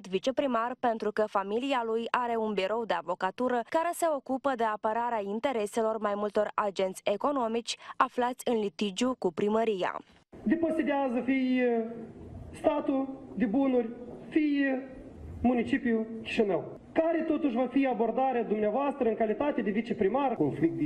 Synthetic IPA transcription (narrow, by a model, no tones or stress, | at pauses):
t̪vit͡ʃe̞pɾimarpe̞nt̪ɾukəfamilialujaɾe̞unbiɾo̞wd̪e̞a̰vo̞kat̪uɾəkaɾe̞se̞o̞kupəd̪e̞apəɾaɾeaint̪e̞ɾe̞se̞lo̞rmajmult̪o̞rad͡ʒe̞nt̪sʲe̞ko̞no̞mit͡ʃʲaflat̪sʲɨnlit̪id͡ʒjukupɾiməɾija̰ | d̪epozid̪eazəfij | st̪at̪ud̪ebunurʲfij | munit͡ʃipijukʲi̥ʃinəw | kaɾe̞t̪ot̪uʃʲvafiabo̞rd̪aɾʲed̪umneavoast̪ɾəɨnŋkalit̪at̪ed̪evit͡ʃepɾimarkonflik̚t̪d̪